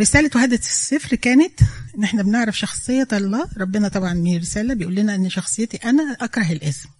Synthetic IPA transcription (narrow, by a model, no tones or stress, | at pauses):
ɾesæːlæt̪whæd̪æt̪esːefɾkæːnet̪ʔenːʔeħnæbeneʕɾɑfʃɑxsˤejːɑt̪ʔɑlˤːɑːɾˤɑbːenɑt̪ˤɑbʕɑnmeɾesæːlæbejʔuːlːinæʔenːʃɑxsˤejːet̪iʔænæʔɑkɾˤɑɦelʔesm